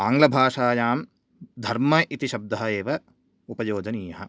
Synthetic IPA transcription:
aːŋɡlɐbʱaːʂaːjaːm | d̪ʱɐɾmɐʔit̪iʃɐb̚d̪ɐɦɐeːʋɐ | upɐjoːd͡ʒɐniːjɐɦɐ

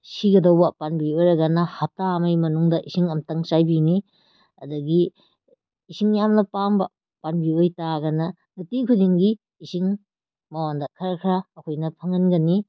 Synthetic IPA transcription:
siɡɐdɐwbɐpanbiojɾɐɡɐnɐhatamɐjmɐnuŋdɐʔisiŋɐmtɐŋsajbini | ɐ̰dɐɡiː | siŋjamnɐpaŋbɐ | panbiojtaɡɐnɐ | nɐtikʰudiŋɡiː | siŋ | mɐwandɐkʰɐɾɐkʰɾaːkʰojnɐpʰɐŋɐnɡɐni

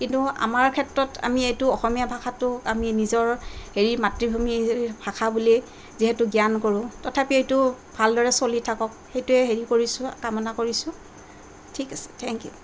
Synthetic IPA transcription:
kintua̰maɹkʰɛtɹɔtʰa̰miejtʊɔxɔmijabʱaxʰatʊaminizɔɹheɹimatɹibʱumibʱakʰabuli | ziɦɛtʊɡijankoɹʊ̃tɔtʰapiejtʊ | bʱaldɔɹɛsolitʰakɔk̚xejtʊɛɦeɹikoɹisʊ̃kamɔnakoɹisʊ̃ | tʰikasɛ̥tʰɛŋkjṵ

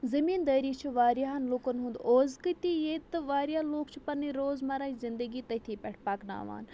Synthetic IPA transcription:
zɐmiːnd̪ɐːɾiːt͡ʃʰɐʋaːɾjaːɦɐnloːkənɦũnd̪oːzkɨt̪ijeːt̪ɨʋaːɾjaːloːkt͡ʃʰupɐniɾoːzmaɾaːizɪnd̪əɡiːt̪ɐt̪ʰiːpɛʈʰpaːkna̰ːʋa̰ːn

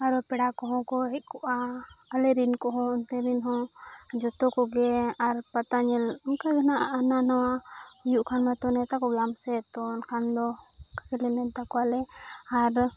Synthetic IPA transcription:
aɾɔpɛɽakɔɦɔ̃kɔɦɛʔ̚kɔʔaː | lɛɾinkɔɦɔ̃unt̪ɛɾinɦɔ̃ | d͡ʒɔt̪ɔkɔɡɛaɾpat̪aɲɛlɔnkaɡanaʔʔːnanawa | juʔkʰanmat̪ɔnɛt̪akɔɡamsɛt̪ɔnkʰand̪ɔ | kakɛlɛnɛnt̪akɔalɛaɾ

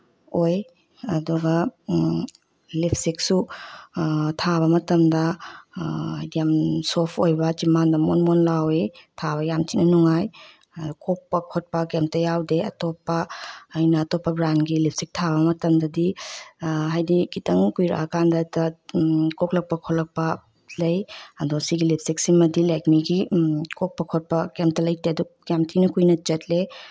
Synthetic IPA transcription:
oj | ɐduɡɐ | lipʰsik̚su | tʰaβɐmɐtɐmdɐ | ajdijamsopʰojbɐd͡ʒimandɐmonmonlawetʰaβɐjamt͡ʃitnɐnuŋaj | kok̚pɐkʰot̚pɐkemtɐjawdeɐ̰topːɐːjnɐːtopːɐbɾanɡilip̚sik̚tʰabɐmɐtɐmdɐdi | ɦajdikitɐŋkujɾa̰kandɐtɐkoklɐk̚pɐkʰolɐk̚pɐ | lɐjɐdusiɡilip̚ʰsik̚simɐdilajkmiɡikok̚pɐkʰot̚pɐkemtɐlɐjtedujamtʰinɐkujnɐt͡ʃɐt̚le

